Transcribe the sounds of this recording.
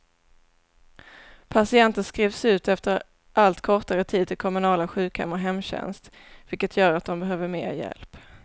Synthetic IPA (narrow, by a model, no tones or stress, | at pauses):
pʰasɪɛnt̪ənskɾiːvsʉ̟ːt̪ɛft̪əɾ | ʔalt̪kʰɔʈaɾət̪ʰiːd̪̚t̪ʰɪlkʰɔmɵnɑːlaɧʉ̟ːkhɛ̰mːɔɦɛmːɕɛ̰nst̪ | vɪlkət̪ʰjœːɾat̪̚d̪ɔmbɛɦøːvəɾmeːɾjɛ̰lp